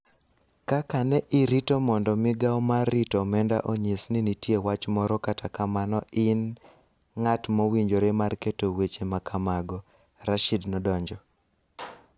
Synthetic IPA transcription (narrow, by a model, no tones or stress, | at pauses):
kakanɛʔɪɾitomɔndɔmɪɡawmaritomɛnda̰ʔoɲesninitjewat͡ʃmɔɾɔkatakamanɔʔɪn | ŋatmowiɲd͡ʒoɾemarketowet͡ʃemakʰamaɡɔ | ɾaʃidnɔdɔɲd͡ʒɔ